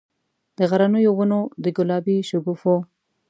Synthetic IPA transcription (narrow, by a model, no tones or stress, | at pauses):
d̪əɣaɾanujoɣanod̪əɡʊlɑbiʃʊɡufo